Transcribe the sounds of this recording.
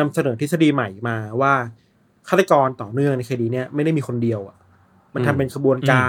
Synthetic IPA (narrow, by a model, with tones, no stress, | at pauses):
a˧msa˧nɤː˨˩˦t̪ʰsa˧diː˧ma˨˩jmaː˧waː˥˩ | kʰaː˥˩t̪a˧kɔː˧nt̪ɔː˨˩nɯ˥˩əŋna˧jkʰaː˧diː˧ni˥˩ɐma˥˩jda˥˩miː˧xʰo˧ndi˧əwʔa˨˩ | ma˧nt̪ʰa˧mpe˧nkʰa˧bu˧ənkaː˧